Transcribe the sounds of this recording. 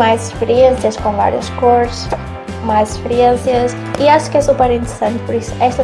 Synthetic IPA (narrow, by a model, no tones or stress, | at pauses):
majzɪʃpeɾiẽnsjɐskõva̰ɾjɐ̰ʃkoɾs | majzɪʃpɨɾiẽsjɐs | iaʃu̥kɛsupɛɾĩnt̪ɨɾɨsɐ̃nt̪pʊɾisʊ̥ɛʃt̪ɐ